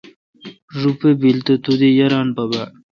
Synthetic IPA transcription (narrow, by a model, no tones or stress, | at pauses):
ʐupebilt̪et̪ud̪ijɐɾaːnpɐba